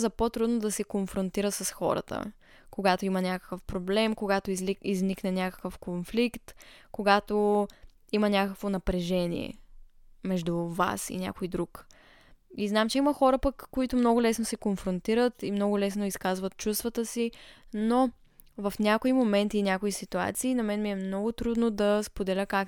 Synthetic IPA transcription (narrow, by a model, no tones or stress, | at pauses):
zɐpot̪ɾud̪nod̪ɐsɛkonfɾont̪iɾət̪sɐsxɔ̰ɾə̰t̪ə̰ | koɡat̪oimɐnʲakə̥kəfpɾoblɛmkoɡat̪oiizniknɛnʲakə̥kəfkonflikt̪koɡat̪o | imɐnʲakəkvonɐpɾɛʒɛnʲḭɛ̰ | mɛʒd̪uva̰sḭnʲa̰kojd̪ɾuk | iznamt͡ʃɛiməxɔɾəpəkːoit̪omnɔɡʊlɛsnosɛkonfɾont̪iɾət̪imnɔɡʊlɛsnoiskazvət̪̚t͡ʃust̪vət̪əsino | vɐfnʲakoimomɛnt̪iːnʲakoisit̪ua̰t̪siːnɐmɛnmiɛmnɔɡʊt̪ɾud̪nod̪ɐspod̪ɛlʲəkak